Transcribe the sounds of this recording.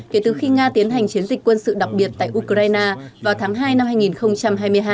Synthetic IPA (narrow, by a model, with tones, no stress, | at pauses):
ke˨˦t̪ɨ˨˩xi˧ŋaː˧t̪i˨˦ənha˨˩jŋ̟t͡ɕi˨˦ənzi˨˩k̟kwə˧nsɨ̰˧˨ɗa˨˩k͡p̚ɓi˨˩ət̚t̪a̰ː˧˨jʔu˧kaː˧jnaː˧vaː˨˩wt̪ʰaː˨˦ŋɦaː˧jna˧mhaː˧jŋi˨˩nxə˧wŋ͡mt͡ɕa˧mɦaː˧jmɨ˧əjɦaː˧